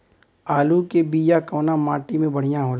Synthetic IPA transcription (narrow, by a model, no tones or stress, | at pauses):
aːlukebiːjakɐːnamaːʈimẽbɐɽ̤ijãɦoːla